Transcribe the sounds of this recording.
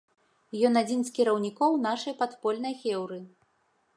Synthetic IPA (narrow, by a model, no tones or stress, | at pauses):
jɔnad͡zʲinskʲiɾɐwnʲikɔwn̪aʂɐjpat̪pɔlʲnɐjxʲɛwɾɨ